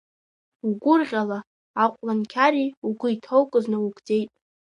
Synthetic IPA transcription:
uɡʷʊrʁʲala | aqʷʼlankʲʰaɾiuɡʷʊitʰowkʷʼʊznɨwuɡʼd͡ze̞jtʼ

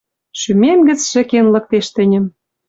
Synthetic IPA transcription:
ʃymemɡɘ̆t͡sʃɘ̆kenlɤ̆k̚t̪eʃt̪ɘ̆nʲɘ̆m

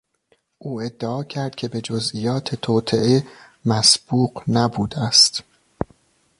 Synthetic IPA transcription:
ʔuːe̞d̪ːeɒːcʰæɾd̪̥̚cʲʰe̞be̞d͡ʒozʔiːjɒːt̪ʰet̪ʰoːt̪ʰeʔe | mæsb̥uːqnæbuːd̪æst̪

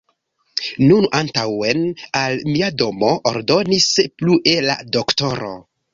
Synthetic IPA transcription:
nunantawenalmiado̞mo̞ʔoɾdo̞nispluʔe̞la̰dokto̞ɾo̞̰

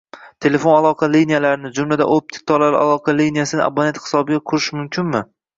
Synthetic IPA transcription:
t̪ʰe̞lefo̞nalˠɒqʰɑlinijalaɾɪnɪd͡ʒʊmlad̪a̰ʔop̚t̪ʰɪ̥k̚t̪ʰɒlalɪʔa̰lˠɒqʰɑlinijasɪnɪ̰ʔa̰banet̪hɪ̥sɒbɪɡʲakʰʊɾɪʃmʊmkʲʰɪnmɪ

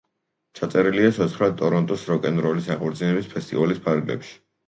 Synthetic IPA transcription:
t͡ʃʰat̪sʼɛɾiliatsʰɔt̪sʰχɾad̪̚t̪ʼɔɾɔnt̪ʼusɾɔkʼɛnɾɔlisaqʼɔɾd̪zinɛbispʰɛst̪ʼḭvalispʰaɾɡlɛ̰pʃi̥

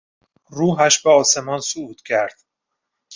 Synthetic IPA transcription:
ruːɦæʃbeɒːse̞mɒːnsuuːt̪ʰcʲʰæɾd̪̥

